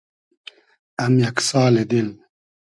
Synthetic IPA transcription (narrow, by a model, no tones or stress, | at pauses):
ɐmjɐksaːled̪il